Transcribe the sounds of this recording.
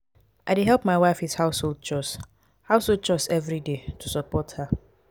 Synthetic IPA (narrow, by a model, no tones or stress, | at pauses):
ʔaɪdiɦɛlˠpmaɪwaɪfishaʊsholˠd̚t͡ʃɔs | haʊsholˠd̚t͡ʃɔsɛvɹidetʰusɔpɔtha